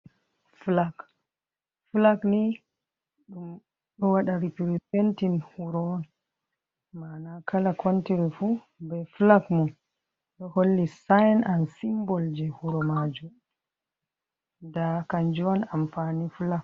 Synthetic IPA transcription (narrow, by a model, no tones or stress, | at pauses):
flak | fulakni | ɗum | ɗɔwaɗaɾipiɾisentinhuɾɔn | manakʰalakʰontiɾifu | bɛflakmun | ɗɔholːisajnansimbɔld͡ʒɛhuɾɔmad͡ʒu | dakaɲd͡ʒɔwanamfaniflak̚